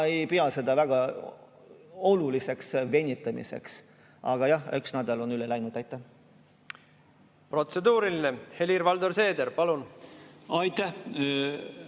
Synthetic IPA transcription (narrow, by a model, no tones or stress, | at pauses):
ejpeɑse̞d̪̥ɑvæɡ̥ɑ | o̞lulise̞ksve̞nʲːit̪ːˑɑmḭsḛks | ɑ̰ɡ̥ɑjɑyksnæd̪̥ɑlo̞nylelæjnud̪ɑjt̪ːˑæ | pro̞t̪se̞d̪uːɾilinehe̞liɾvɑld̪oɾse̞ːd̪eɾpɑlun | ɑjt̪ːæh